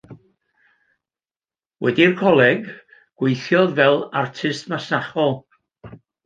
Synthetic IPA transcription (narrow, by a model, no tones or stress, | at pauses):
wʔɛ̰dirkʰɔlˠɛɡ | ɡ̥wejθjɔðvɛlˠartʰɨstmasnaχɔlˠ